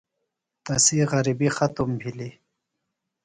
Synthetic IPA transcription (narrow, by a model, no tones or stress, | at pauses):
t̪asiɣɐɾibixat̪umbʱili